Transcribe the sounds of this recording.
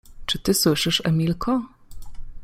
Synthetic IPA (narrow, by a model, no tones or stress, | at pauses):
t͡ʂɘt̪ɘswɘʂɘʂɛ̰mʲilkʰɔ